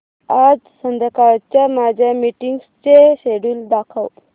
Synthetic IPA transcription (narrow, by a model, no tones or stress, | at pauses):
ad͡zsənd̪ʱəkaɭt͡ɕjamad͡ʑʱamiʈiŋɡst͡seɕeɽuːld̪akʰa̰w